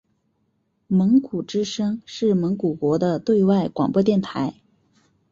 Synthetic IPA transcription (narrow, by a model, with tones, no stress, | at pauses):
mə˧˥ŋku˨˩ʈ͡ʂɻ̩˥ʂɤ˥ŋʂɻ̩˥˩mə˧˥ŋku˨˩kwɔ˧˥d̪ə˧t̪we˥˧ɪwa˥˩ɪkwɑ˨˩ŋpwɔ˥t̪jɛ˥˩nt̪ʰa˧˥ɪ